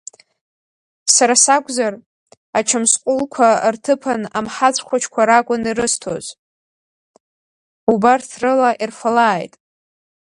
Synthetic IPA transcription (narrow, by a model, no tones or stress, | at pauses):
saɾasakʷʼzar | at͡ʃʰamsqʷʼʊlkʷʰartʰɨpʰana̰mħat͡sʷʰʼχʷʰat͡ʃʰkʷʰaɾakʷʼʊniɾɨstʰo̰z | ubartʰrɨlaʔirfalaːjtʼ